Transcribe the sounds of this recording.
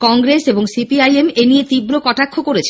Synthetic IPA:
kɔŋɡɾeseboŋsipiajemeniet̪ibɾokɔʈakʰːokoɾet͡ɕʰ

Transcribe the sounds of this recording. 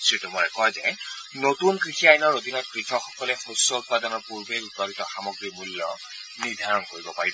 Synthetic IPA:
sɹitumɔɹɛkɔjzɛ | notunkɹixiajnɔɹodinɔt̚kɹitʰɔxɔ̥kɔlɛxosɔut̚padɔnɔɹpuɹbeutɔlitɔxamɔɡɹimulːɔ | niɹd̪ʱaɹɔnkoɹibɔpaɹib

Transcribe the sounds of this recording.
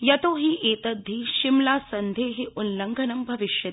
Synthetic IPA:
jɐt̪oːɦiʔeːt̪ɐd̪ʱːiʃimlaːsɐnd̪ʱeːɦeunlɐŋɡʱɐnɐmbʱɐʋiʃjɐt̪

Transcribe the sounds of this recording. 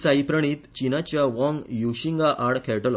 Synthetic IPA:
saipɾəɽ̃iːt̪t͡ɕinat͡ɕjaʋɔ̃ŋɡjuɕiŋɡaʔaɽkʰɛɭʈəlɔ

